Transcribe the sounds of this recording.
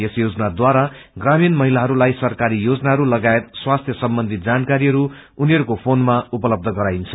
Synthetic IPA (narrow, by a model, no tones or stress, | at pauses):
esjod͡zʌnad̪waɾa | ɡraminmʌɦilaɦʌɾulajsʌrkaɾijod͡zʌnaɦʌɾulʌɡaet̪swast̪ʰjʌsʌmbʌnd̪ʱit̪̚d͡zankaɾiɦʌɾu | uniɦʌɾukopʰonmaupʌlʌb̚d̪ʱʌɡʌɾajnt͡sʰʌ̥